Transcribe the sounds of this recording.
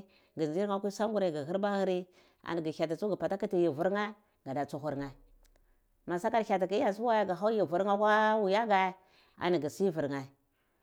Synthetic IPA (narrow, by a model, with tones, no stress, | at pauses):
ɡi˨zd͡ʒi˦ɾa˦kʷu˦sa˦ŋɡu˦ɾa˨ɡa˨ɦi˦ɾba˦hi˦ɾi˦ | a̰˨n˨ɡi˨a˨ta˨t͡su˦ɡə˨pa˨ta˦ki˦ti˨ji˨vu˨ɾŋa˦ | ɡa˨da˨t͡su˨xu˨ɾŋa˨ | ma˨sa˦ka˨ɾça˨ta˨ki˦a˨su˦wa˦ja˨ɡa˨ɦa˦ji˨vu˨ɾa˦kʷa˦wu˨ja˦ɡa˨˦ | a̰˨ni˨ɡi˨si˦vu˨ɾŋa˨